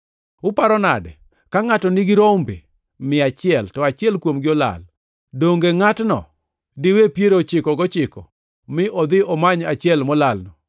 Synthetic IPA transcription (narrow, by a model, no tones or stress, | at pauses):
ʊpaɾɔna̰dɛ̰ | kaŋatɔnɪɡɪɾombḛ | mɪat͡ʃɪɛltɔat͡ʃɪɛlkwomɡɪɔla̰l | doŋɡeŋatnɔ̰ | dɪwepjeɾot͡ʃɪkɔɡɔt͡ʃɪkɔ̰ | mɪʔɔd̪ɪɔmaɲat͡ʃɪɛlmɔlalnɔ